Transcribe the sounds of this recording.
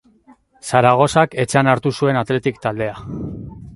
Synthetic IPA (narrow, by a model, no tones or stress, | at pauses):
saɾaɣ̞o̞sake̞t͡ʃeanaɾt̪usue̞nat̪le̞t̪ikt̪ald̪e̞a